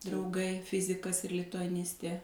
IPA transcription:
drɐʊˈɡɐɪ ˈfʲɪzʲɪkɐs ɪr lʲɪtʊɐˈnʲɪsʲtʲeː

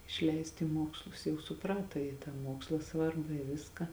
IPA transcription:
ɪʃʲˈlʲɛɪst iː ˈmuɔkslˠʊs jɛʊ sʊˈprɑːtɐ jɪ tɑː ˈmuɔkslˠɐ ˈsʋɐrbɐ ɪ ˈʋʲɪskɐ

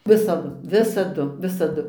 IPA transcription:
ˈʋʲɪsɐdʊ ˈʋʲɪsɐdʊ ˈʋʲɪsɐdʊ

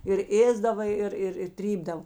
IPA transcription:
ɪr ˈeːzdɐʋɐ ˈɪr ɪr ɪ ˈtʲrʲiːbdɐw

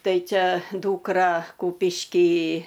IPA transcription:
ˈtɐɪ ˈt͡ʃʲɛ ˈduːkrɐ ˈkuːpʲɪʃʲkʲiː

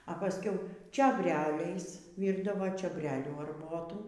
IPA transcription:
ɐ pɐˈsʲkʲɛʊ t͡ʃʲoːbʲˈrʲæːlʲɛɪs ˈʋʲiːrdɐʋoː t͡ʃʲoːˈbʲrʲæːlʲuː ɐrˈboːtuː

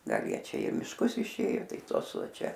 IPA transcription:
ˈɡɐlˠ ˈjiɛ ˈt͡ʃʲɛ ɪ mʲɪʃˈkʊs ɪʃʲˈeːjoː ˈtɐɪ ˈtoːs ˈʋɐ ˈt͡ʃʲɛ

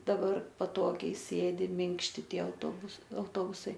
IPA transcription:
dɐˈbɐr pɐˈtoːɡʲɛɪ ˈsʲeːdʲɪ ˈmʲɪŋkʃʲtʲɪ ˈtʲiɛ ɐʊtoːˈbʊs ɐʊˈtoːbʊsɐɪ

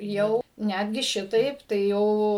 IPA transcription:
ˈjɛʊ ˈnʲædʲɡʲɪ ˈʃʲɪtɐɪp tɐɪ ˈjɛʊ

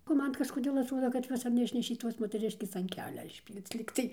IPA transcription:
oː ˈmɐn kɐʃkoːˈdʲeːlˠ ɐtˈruɔdɐ kɐt ˈjuɔs ɐr nʲɛˈɪʃʲnʲɛʃʲeː ˈtoːs moːtʲɛˈrʲɪʃʲkʲeːs ɐn ˈkʲæːlʲɛ ɪʃʲˈpʲiːlʲt͡s ˈlʲiːktɐɪ

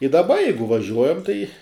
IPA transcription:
ɪ dɐˈbɐ ˈjɛɪɡʊ ʋɐˈʒʲuɔjɛm tɐɪ

